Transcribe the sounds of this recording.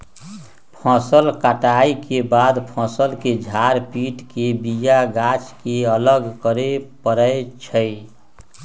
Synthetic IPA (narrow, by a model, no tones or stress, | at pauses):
pʰɔ̃ːsəlkaʈaikebaːd̪pʰɔ̃səlked͡ʒʱaɾpiːʈkebijaɡat͡ʃkeələɡkəɾepəɾəjt͡ʃʰəj